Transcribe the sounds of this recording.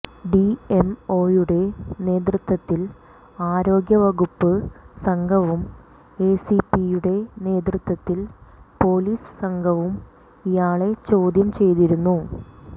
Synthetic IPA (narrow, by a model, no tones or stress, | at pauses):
ɖie̞mo̞ːjuɽe̞ne̞ːd̪̬rɨt̪wɐt̪ːil | aːɾo̞ːɡjɐʋɐɣupːɨsɐŋɡʰʱɐʋum | e̞sipijuɽe̞ne̞ːd̪rɨt̪wɐt̪ːilpo̞ːliːsɨ̥sɐŋɡʰʱɐʋum | ijaːɭe̞t͡ɕo̞ːd̪jɐmt͡ɕe̞jt̪iɾunːu